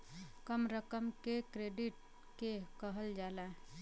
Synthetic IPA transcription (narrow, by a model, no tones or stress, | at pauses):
kəmɾəkəmkekɾeɖiʈ̚ | kekəɦəld͡ʒaːlã